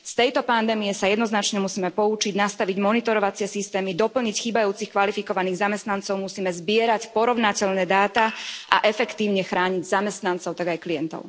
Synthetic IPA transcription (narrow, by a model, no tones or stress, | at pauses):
st̪ɛjt̪ɔpand̪ɛːmijɛsajɛd̪nɔznat͡ʃɲɛmusiːmɛpɔut͡ʃiɟnast̪aʋiɟmɔnit̪ɔɾɔʋat͡sɪɛsist̪ɛːmid̪ɔpl̩ɲicxiːbajuːt͡sixkʋalifikɔʋaniːɣzamɛst̪nant͡sɔʊmusiːmɛzbɪɛɾacpɔɾɔʋʊnacɛʎnɛːd̪aːt̪aʔa̰ʔɛfɛkt̪iːʊɲɛxɾaːɲiɟzamɛst̪nant͡sɔʊt̪aɡajklijɛnt̪ɔ̰ʊ